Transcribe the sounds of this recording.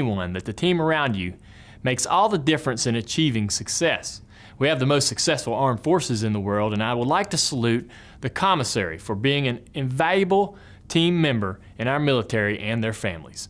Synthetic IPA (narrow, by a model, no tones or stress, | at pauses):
wʌ̃nðɨt̪̚ðɨtʰĩmə˞ãʊ̃nd͡ʒʉ | meɪksɔlˠðədɪfɹɨ̃nsɨ̃nɨt͡ʃʰivɪ̃ŋsɨksɛs | wiɨvðəmoʊstsɨksɛsfl̩ˠɑɹɱfɔɹsɨzɨ̃nðəwɜ˞lˠdɨ̃naɪwədˡlaɪk̚tʰɨsəlʉt̪̚ | ðɨkʰɑməsɛ̰ɹḭfə˞biɪ̃ŋɨ̃nɨ̃ɱvaljɨbl̩ˠ | tʰĩmːɛ̃mbə˞ | ɨ̃ɾ̃aʊə˞mɪlˠətʰɛɹiʔɨ̃nðə˞fæ̰̃mlḭz̥